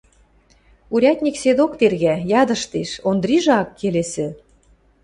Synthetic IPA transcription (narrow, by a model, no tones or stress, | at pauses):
uɾʲɑt̪ʲnʲiksed̪okt̪erɣæjɑd̪ɤ̆ʃt̪eʃond̪ɾiʒɤɑkːelesɘ̆